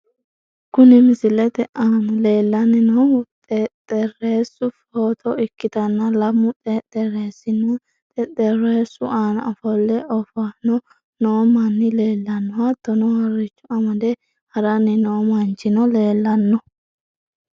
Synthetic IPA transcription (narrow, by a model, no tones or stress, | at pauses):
kʊnɪmɪsɪlɛt̪ɛʔanleːlːɐnɪnɔt̪ʼɛt̪ʼɛreːsʊfoːt̪ʰɔɪkːɪd̪ɐnːɐlɐmːʊt̪ʼɛt̪ɛɾeːsɪnɔ | t̪ʼɛt̪ʼɛɾeːsʊʔaːnɐ̰fɔlːɛʔɔfɐnɔ | noːmɐnːɪleːlːɐnːɔwad̪̥ɔnɔhɐɾːɪt͡ʃːʊɐmɐd̪ɛ | hɐɾɐnːɪnɔmɐnt͡ʃːɪnɔle̞ːlːɐnːɔ